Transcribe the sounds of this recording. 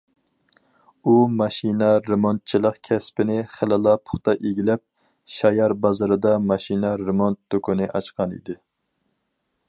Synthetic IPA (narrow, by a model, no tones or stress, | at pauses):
umɑʃinɑɾemont̪̚t͡ʃʰilˠəqkʲʰɛspɪnɪχelɨlˠɑpʰʊ̥χt̪ɑʔeɡʲilɛp̚ | ʃɑjɑɾbɑzɨɾɨd̪ɑmɑʃinɑɾemont̪d̪okʰunɨʔɑ̰t͡ʃqʰɑnḭd̪ɪ